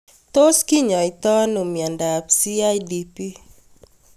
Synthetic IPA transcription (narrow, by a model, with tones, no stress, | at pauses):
to˦ski˦ɲɔ˨ɪ˨t̪ɔ˦no˨mja˨nda˨psi˦a˦jdi˨pi˦